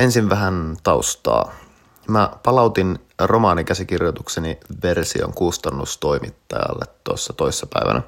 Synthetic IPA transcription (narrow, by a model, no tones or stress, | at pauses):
e̞nsinʋæɦænt̪ɑust̪ɑ̰ː | mæpɑlɑwt̪inro̞mɑːnik̟æsik̟irjot̪ukseniʋersio̰ŋkust̪ɑnːṵst̪oimit̪ːɑjɑ̰lːet̪tːuosːɑt̪o̞isesːɑpæiʋæ̰nʔæ̰